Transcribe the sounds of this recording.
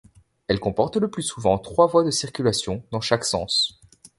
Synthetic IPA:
ɛlkɔ̃pɔʁt̪ləplysuvɑ̃t̪χwavwad̪əsiʁkʲylasjɔ̃d̪ɑ̃ʃaksɑ̰̃s

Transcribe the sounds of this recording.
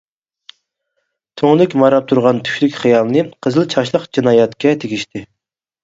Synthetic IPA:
t̪ʰøŋlˠɪkʲmɑɾɑp̚t̪ʰuɾʁɑnt̪ʰy̥ʃlykʲχijɑlˠnɨqʰəzɨlˠt͡ʃʰɑʃlˠəqd͡ʒinɑːjɛt̪kʲɛt̪ʰeɡʲiʃt̪ʰɪ

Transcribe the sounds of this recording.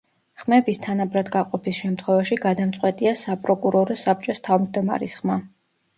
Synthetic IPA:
χmɛbist̪ʰanabɾad̪ɡaqʼɔpʰisʃɛmt̪ʰχwɛvaʃiɡad̪amt̪sʼwɛt̪ʼiasapʼɾɔkʼuɾɔɾɔsap̚t͡ʃʼɔst̪ʰavmʒd̪ɔma̰ɾisχma

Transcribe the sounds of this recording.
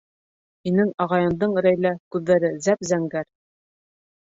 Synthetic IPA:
hinɘŋɑʁɑjɤ̆nd̪ɤɴɾæjlækʉðːæɾɘzæpzæŋɡæɾ

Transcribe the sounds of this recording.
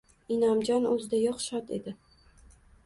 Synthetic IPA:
inamd͡ʒanɵzɪd̪ajɒχʃat̪e̞̰d̪ɪ

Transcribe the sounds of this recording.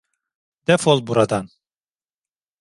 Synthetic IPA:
d̪̥ɛfolˠbuɾad̪an

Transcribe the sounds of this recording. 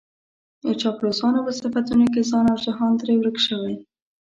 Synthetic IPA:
ət͡ʃɑplosɑnopəsafat̪unok̬ezɑnawʒaɦɑnd̪ɾewɾəkʃəwaj

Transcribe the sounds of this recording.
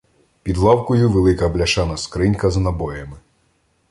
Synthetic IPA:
pʲid̪lˠɑwkʊjuʋelˠɪkɐblʲɐʃɑnɐskɾɪnʲkɐzɐnɐbɔjɐmɪ

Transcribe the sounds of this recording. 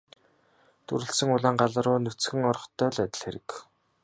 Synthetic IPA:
t̪ɵɾɘ̆ɬsə̆ŋʊɮaːɴɢaɮə̆ɾʊːnɵt͡sxɘ̆ŋɔrχt̪ʰːœːɮæt̪ʲɪ̆ɮxeɾɘ̆k

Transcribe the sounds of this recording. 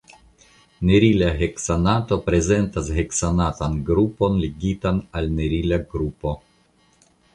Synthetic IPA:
neɾilaɦeksanato̞pɾe̞ze̞ntasɦeksanatanɡɾupo̞nleɡitanalneɾilaɡɾupo̞

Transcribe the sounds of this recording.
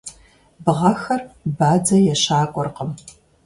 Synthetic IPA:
bɨʁɐxɐrbaːd͡zɐjɛɕaːkʷʼɔrqəm

